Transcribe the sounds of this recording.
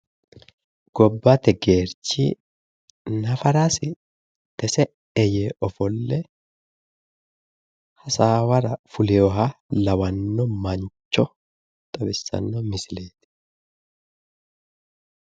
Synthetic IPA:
ɡ̥ɔbːat̪ɛɡeːɾt͡ʃḭː | nɐfɐɾaːsɪ | t̪ɛsɛ | ɛjɛʔɔfɔlːɛ | hɐsaːwɐɾɐfʊlɛjɔɦalɐwɐnːɔmɐɲt͡ʃːɔ | t̪ʼɐbɪsːɐ̰nːɔmɪsɪleːt̪ɪ̥

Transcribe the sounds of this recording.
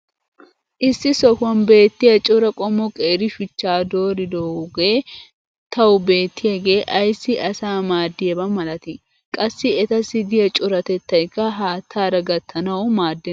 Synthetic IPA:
ʔɪsːɪsɔfɐnbe̞ːt̪ːɪjɐt͡ʃʼʊɾɐkʼɔmɔkʼeːɾɪfɪt͡ʃːaːd̪o̞ːɾɪd̪oːɡe̞ː | t̪ʰɐwʊbe̞ːt̪ʰːɪjɐɡe̞ːʔɐjsːɪɐsaːmaːd̪ːɪjɛbɐmɐlɐt̪ɪ | kʼɐsːɪɛt̪ɐsɪd̪ɪjɐt͡ʃʼʊɾɐt̪ɛt̪ːɐjkːɐɦaːt̪ʰːaːɾɐɡɐt̪ʰːɐnɐwʊmaːd̪ːɪ

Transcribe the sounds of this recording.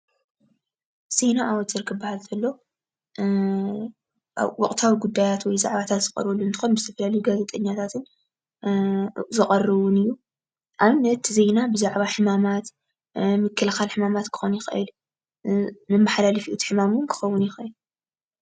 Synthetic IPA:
z̥e̞naʔawɔt̪ɨɾkʰɨbːahalt̪ʰɐlːo̞ | wɔχʼt̪ʰawiɡud̪ːajat̪wɔjzaʕβat̪ʰat̪z̥ɨkʼɐ̰ɾβɐlːunt̪ɨ̥xo̞nbɨzɨt̪ʰɐfɐlalɐjuɡazet̪ʼɐɲːat̪ʰat̪ʰɨn | zɨχʼɐrːɨβʊnɨjːu | ʔaβnɐt̪ze̞jnabɨzaʕβaħɨmamat̪ | mɨkʰːɨlxalħɨmamat̪kʰɨ̥xonjɪxʔɨ̰l | mɨmːaħalalɐfiʔut̪ʰi̥ħɨmamunkʰɨ̥xɐwːʊnjɪxʔɨl

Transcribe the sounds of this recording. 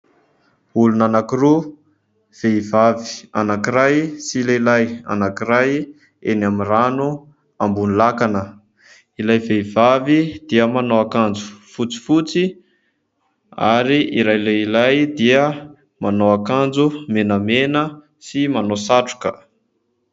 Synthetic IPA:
ulunanakiɾu | v̥eivavi̥anakiɾajsileilaja̰nakiɾaj | ḛnamiranu | ambunilakanə | ilajveivavid̪̥iəmanoakand͡zu̥fut͡si̥fut͡si | a̰ɾiiɾajlejilajd̪iə | manoakand͡zumenəmenə | simanosaʈ͡ʂu̥kə

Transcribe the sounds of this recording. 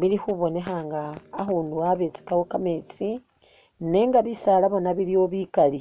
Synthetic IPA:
βilixuβo̞ne̞xaŋɡaːxuːnduaβet͡si̥kawokamet͡si | ne̞ŋɡaβisalaβonaβilioβikali

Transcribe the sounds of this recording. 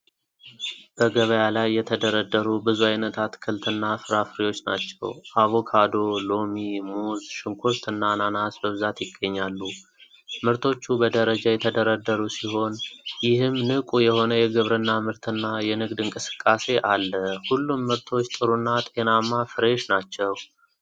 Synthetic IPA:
b̥əɡəβəjalajːɛt̪ʰəd̪əɾəd̪ːəɾubɨzuajnət̪ʰat̪kʰɨlt̪ʰɨnːafɨɾafɨɾiwo̞t͡ʃːna̰t͡ʃːɛ̰waβo̞kʰad̪o̞lo̞mimuzʃɪŋkʰost̪ʰɨnːananasbəβɨzat̪jɪɡːəɲːalːu | mɨɾt̪ʰo̞t͡ʃːubəd̪əɾəd͡ʒajɛt̪ʰəd̪əɾəd̪əɾusiho̞njɪhɨmːnɨkʼujɛho̞nəjɛɡɨβɾɨnːamɨɾt̪ʰɨnːajɛnɨɡd̪ɨŋkʼɨsɨ̥kʼːase̞ʔalːəhulːumːɨɾt̪ʰo̞t͡ʃːt̪ʼɨɾunːat̪ʼenamːafɨɾeʃnat͡ʃːɛw

